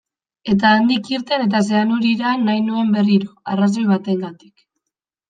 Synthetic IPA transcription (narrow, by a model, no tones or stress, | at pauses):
e̞t̪̬aːnd̪ikiɾt̪e̞ne̞t̪as̬e̞anuɾiɾanːajnue̞mbe̞riɾoaras̬o̞jβat̪e̞ŋɡat̪i̥k